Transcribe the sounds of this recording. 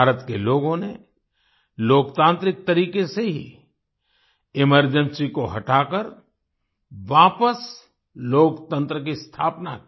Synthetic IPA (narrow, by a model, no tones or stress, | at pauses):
aːɾət̪keloːɡõne | loːkt̪ãːnt̪ɾɪk̚t̪ɐɾiːkeseɦḭ | ɪməɾd͡ʒə̃nsikoɦɐʈaːkəɾ | ʋaːpəs | loːkt̪ə̃nt̪ɾəkist̪ʰaːpna̰k